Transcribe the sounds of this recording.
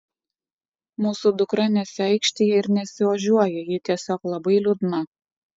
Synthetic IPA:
muːsud̪ʊkɾɐnʲɛsʲɪɛˑɪkʃʲt̪ʲijɛɪɾnʲɛsʲɪʋɐʒʲuɔjɛjɪt̪ʲiɛsʲoːklˠɐbɐɪlʲʊd̪nɐ

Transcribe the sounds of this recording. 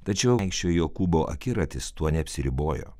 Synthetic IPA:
t̪ɐt͡ʃʲɛʊɪkʃʲt͡ʃʲoːjoːkuːboːʔɐ̰kʲɪɾɐt̪ʲɪst̪uɔnʲɛɐpʲsʲɪɾʲɪboːjo̰ː

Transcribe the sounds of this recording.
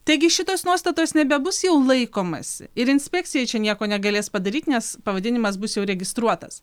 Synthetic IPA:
t̪ɐɪɡʲɪʃʲɪt̪oːsnuɔst̪ɐt̪oːsnʲɛbʲɛbʊsjɛʊlˠɐɪkoːmɐ̰sʲɪ̰ɪɾɪnʲsʲpʲɛk̚ʲtsʲɪjɛɪt͡ʃʲɛnʲiɛkoːnʲɛɡɐlʲeːspɐd̪ɐɾʲiːt̪ʲnʲɛspɐʋɐd̪ʲɪnʲɪmɐs̬bʊsjɛʊɾʲɛɡʲɪst̪ɾuɔt̪ɐs

